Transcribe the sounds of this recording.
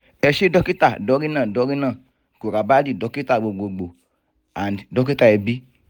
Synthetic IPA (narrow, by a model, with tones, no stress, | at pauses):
ɛ˧ʃe˦dɔ˦ki˦ta˦˨dɔ˨˧˦ɾi˦nãː˦˨dɔ˨˧˦ɾi˦nã˦˨ | ko˨ɾa˨ba˦di˦˨dɔ˨˦ki˦ta˦˨ɡ͡bo˨ɡ͡bo˨ɡ͡bo˨ | a˨ni˨dɔ˨˦ki˦ta˧˨ɛ˧bi˦